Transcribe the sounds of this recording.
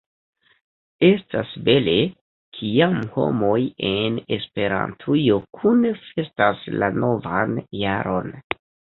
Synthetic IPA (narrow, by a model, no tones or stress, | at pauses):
e̞stasbe̞le̞ | kʰiamho̞̰mo̞jene̞spe̞ɾa̰ntʰujo̞kʰunfe̞staslano̞vanjaɾo̞̰n